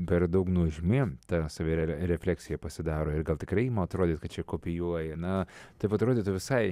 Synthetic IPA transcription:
pʲɛrd̪ɐʊknuʒʲmʲɪt̪ɐsɑʋʲeɛɾʲɛfʲlʲæːksʲɪjɛpɐsʲɪd̪ɑːɾoːɪrɡɐlˠt̪ʲɪkɾɐɪimɐɐt̪ɾoːd̪ʲit̪kɐt̪t͡ʃʲɛkoːpʲɪjuɔjɛnɐt̪ɐɪpɐt̪ɾoːdʲiːt̪ʊʋʲɪsɐɪ

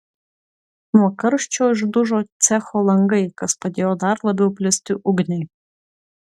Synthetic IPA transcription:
mɔkɐɾʃt͡ʃʰojʒd̪uʒot͡sʲɛxolˠɐŋɡɐjkɐspɐd̪ʲeːjod̪ɑrlˠɐbʲɛwpʲlʲɪst̪ʲɪʔuɡnʲej

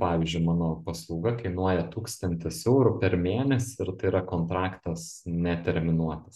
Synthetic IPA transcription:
pɑːʋʲizʲd͡ʒʲʊɪmɑːnoːpɐslˠɐʊɡɐkɐɪnuɔjɛt̪uːkst̪ɐnʲt̪ʲɪsɛʊɾʊpʲɛɾmʲeːnʲɛsʲɪɪɾt̪ɐɪɪɾɐkoːnt̪ɾɑːkt̪ɐsnʲɛt̪ʲɛɾʲmʲɪnuɔt̪ɐs

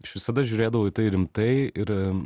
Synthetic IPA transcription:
ɪʃʋʲɪsɐd̪ɐʒʲʊɾʲeːd̪ɐʋoːɪt̪ɐɪɾʲɪmt̪ɐɪɪɾ

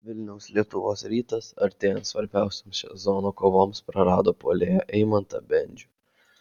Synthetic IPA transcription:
ʋʲɪlʲnʲɛʊslʲiɛt̪ʊʋoːsɾʲiːt̪ɐsɐɾʲt̪ʲeːjɛnt̪sʋɐɾʲbʲæˑʊsʲoːmsʃʲɛ̰zonoːkoːʋoːmspɾɐɾɑːd̪oːpoːlʲeːjɛʔɛɪmɐnt̪ɐbʲɛnʲd͡ʒʲʊ

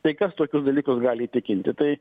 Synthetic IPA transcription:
t̪ɐɪkɐst̪oːkʲʊsd̪ɐlʲiːkʊsɡɑːlʲɪiːt̪ʲɪkʲɪnʲt̪ʲɪt̪ɐɪ

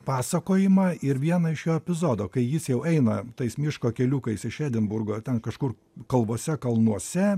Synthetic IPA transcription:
pɑːsɐkoːjɪmɑːɪɾʋʲiɛnɐɪʃjoːɛpʲɪzoːd̪oːkɐɪjɪsjɛʊɛɪnɐt̪ɐɪsmʲɪʃkoːkʲɛlʲuːkɐɪsɪʃæːd̪ʲɪnbʊrɡoːt̪ʲɛnkɐʃkʊr | kɐlˠʋoːsʲɛkɐlˠnuɔsʲɛ

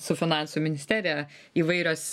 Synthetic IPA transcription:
sʊfʲɪnɑˑnsumʲɪnʲɪsʲt̪ʲæːɾʲɪjɛ | iːʋɐɪɾʲoːs

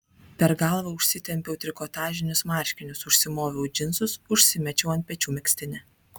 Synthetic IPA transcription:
pʲɛɾɡɑˑlˠʋɐʊʃʲsʲɪt̪ʲɛmʲpʲɛʊt̪ʲɾʲɪkoːt̪ɑːʒʲɪnʲʊsmɑːˑɾʲʃʲkʲɪnʲʊsʊʃʲsʲɪmoːʋʲɛʊd͡ʒʲɪnˑsʊsʊʃʲsʲɪmʲɛt͡ʃʲɛʊɐnt̪̚ʲpʲɛt͡ʃʲuːmʲɪksʲt̪ʲɪnʲɛ

